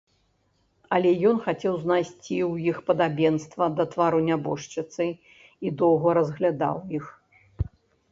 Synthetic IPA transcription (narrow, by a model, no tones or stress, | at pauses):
ɐlʲɛjɔnxat͡sʲɛwznajsʲt͡sʲiwjixpɐd̪abʲɛnst̪vɐd̪ɐt̪vaɾunʲabɔʂt͡ʂɨt̪sɨ | id̪ɔwɣɐɾɐzɣlʲad̪a̰wjix